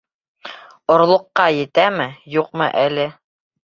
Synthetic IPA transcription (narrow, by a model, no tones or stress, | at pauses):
ŏɾlˠŏqːɑjɘ̆t̪æmɘjuqmɤ̰ʔælɘ